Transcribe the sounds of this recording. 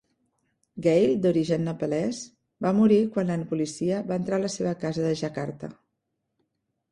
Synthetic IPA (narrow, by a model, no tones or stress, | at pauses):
ɡejld̪uɾiʒənːəpəlɛz | bamuɾikwanlanpulisiəβaənt̪ɾaləseβəkazəðəʒakaɾt̪ə̰